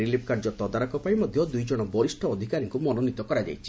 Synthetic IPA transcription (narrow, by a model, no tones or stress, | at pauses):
ɾilip̚ʰkaɾd͡ʒɔt̪ɔd̪aɾɔkɔpaĩmɔd̪ʱjɔd̪ujd͡ʒɔɽ̃ɔbɔɾisʈʰɔːd̪ʱikaɾiŋkumɔnonit̪ɔkɔɾad͡ʒa̰jt͡ʃʰi̥